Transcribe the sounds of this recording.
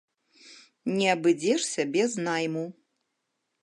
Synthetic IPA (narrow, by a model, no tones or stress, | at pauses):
nʲiabɨd͡zʲeʂsʲɐbʲeznajmu